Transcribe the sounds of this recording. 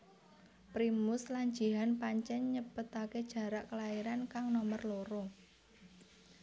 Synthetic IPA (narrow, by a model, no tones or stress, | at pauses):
pɾimʊslaɲ̥d͡ʒ̥iɦanpaɲt͡ʃɛɲːəpət̪aked̥ʒ̥ä̤ɾaʔkəlaiɾankaŋnɔmərloɾo